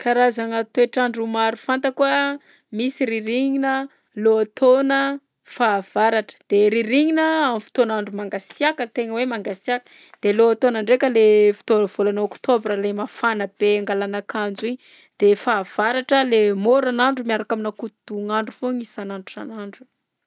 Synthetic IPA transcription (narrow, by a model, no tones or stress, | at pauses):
kʰaɾazaŋat̪oeʈ͡ʂaɳɖ͡ʐumaɾufant̪əkuə | misiɾiɾiɲinə | loat̪ʰonə | faːv̥aɾaʈ͡ʂə̥d̪̥eɾiɾiɲinəamifi̥t̪onaɳɖ͡ʐumaŋɡasiakət̪eŋəwemaŋɡasiakə̥ | d̪̥eloat̪onaɳɖ͡ʐekəlefi̥t̪ov̥olanaokt̪obralemafanəb̥eaŋɡalanakand͡ziɲ | d̪̥efaːv̥aɾaʈ͡ʂəlemoɾanaɳɖ͡ʐumiaɾakaminakut̪uŋaɳɖ͡ʐufoŋisanaɳɖ͡ʐuʈ͡ʂa̰naɳɖ͡ʐu̥